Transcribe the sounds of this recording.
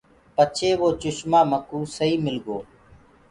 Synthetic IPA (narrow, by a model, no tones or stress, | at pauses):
pət͡ʃʰeːʋoːt͡ʃʊʃmaːməkũːsəiːmɪlɡoː